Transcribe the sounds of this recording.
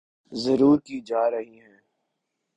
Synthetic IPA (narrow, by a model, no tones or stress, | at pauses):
zɐɾuːɾkid͡ʒaːɾɐɦiɦɛ̃ː